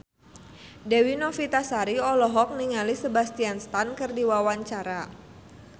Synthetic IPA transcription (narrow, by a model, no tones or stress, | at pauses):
dɛwinɔfit̪asaɾiɔlɔɦɔk̚niŋalisəbast̪ianst̪ankɨrdiwawaɲt͡ʃaɾa